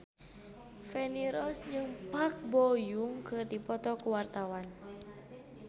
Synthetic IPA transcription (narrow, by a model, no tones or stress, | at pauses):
fɛniɾɔsd͡ʒɨŋpak̚bɔjuŋkɨrdipɔt̪ɔkuwart̪awan